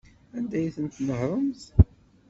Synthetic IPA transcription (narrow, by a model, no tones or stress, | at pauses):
ænd̪æjθənt̪nəhɾˤəmθ